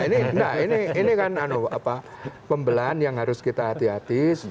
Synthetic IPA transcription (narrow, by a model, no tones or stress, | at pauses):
inindainiinikananoa̰pa | pəmbəlanjaŋɦaɾʊskit̪aːt̪iat̪is